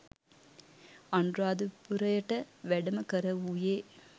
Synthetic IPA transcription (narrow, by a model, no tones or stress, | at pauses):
ɐɳdraːd̪ɯpuɾɐjɐʈːɐʋɛɽɐmɐkɐɾɐuːjeː